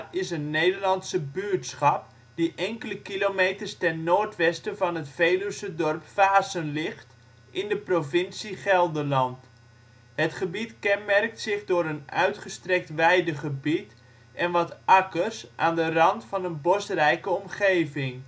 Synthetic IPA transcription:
ɪsənːejdərlɑntsəbyətsχɑp̚ | d̥iʔɛŋkələkilomejtərstɛnːoːrtʋɛstəvɑnətfejləsədɔrpfaːzənlɪχt | ʔɪndəprovɪnsiχɛlˠdəlɑnt | hətχəbitkɛnmɛrk̚tsɪχdʊːɾənœ̰ɥtχəstrɛk̚tʋɛjdəχəbit | ʔɛnʋɑtʔɑkərsʔa̰ːndərɑntfɑnənbɔstrɛjkəɔmχeːvɪŋ

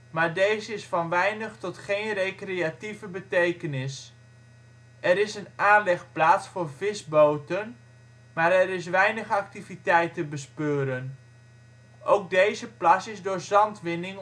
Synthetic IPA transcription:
maːɹdejzəɪsfɑnʋɛjnəχtɔtχejnrejkreativəbətejkənɪs | ɛɾɪsənaːnlɛχplaːtsfʊːɹvɪzbowtən | maːɾɛɾɪs̬ʋɛjnəχɑk̚tivitɛjtəbəspøːɾən | ʔowk̚dejzəplasɪzdʊːɹzɑntʋɪnɪŋ

